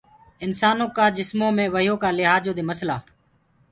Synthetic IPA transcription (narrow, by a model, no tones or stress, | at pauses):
ɪnsaːnõːkaːd͡ʒɪsmõːmẽːʋəjoːkaːlɪɦaːd͡ʒoːd̪eːməsla̰ː